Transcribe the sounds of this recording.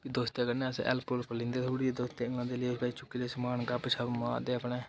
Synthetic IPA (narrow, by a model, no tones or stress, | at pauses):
kid̪oːst̪jeːkənẽəsʔɛ̰lpolpəlɪ̃ːnd̪eːt̪ʰoːɽiːd̪oːst̪eɪ̃ŋɡlãːnd̪eːleːsbaːit͡ʃʊkːiːlesmaːnɡapʃʰəbmãːd̪eːəpneː